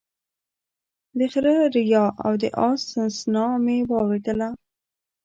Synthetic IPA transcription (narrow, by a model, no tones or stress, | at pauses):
d̪əxɾəɾɪjɑʔa̰wd̪ə̰ʔɑsənsnɑmewɑwɾed̪əla